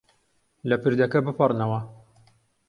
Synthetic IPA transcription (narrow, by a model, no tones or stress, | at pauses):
lɐpɨɾd̪ɐkɐbɨpʰɨrnɐwɐ